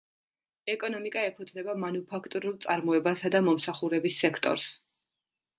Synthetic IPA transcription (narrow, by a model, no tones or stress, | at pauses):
ɛkʼɔnɔmikʼaɛpʰɔd̪znɛbamanupʰakʰt̪ʼuɾulˠt̪sʼaɾmɔɛbasad̪amɔmsaχuɾɛbisːɛkʰt̪ʼɔ̰ɾs